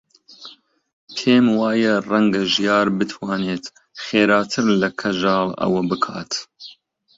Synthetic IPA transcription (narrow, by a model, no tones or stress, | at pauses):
pʰeːmwɑːjɐrɐŋɡɐʒijɑːɾbɨt̪ʰwɑːneːt̪ | χeːɾɑːt̪ʰɨɾlɐkʰɐʒɑːlˠɐ̰wɐbɨkʰɑ̰ːt̪